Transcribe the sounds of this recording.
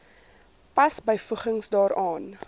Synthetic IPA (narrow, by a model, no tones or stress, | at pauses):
pɐsbəjfəχəŋsdɑːɾɑːn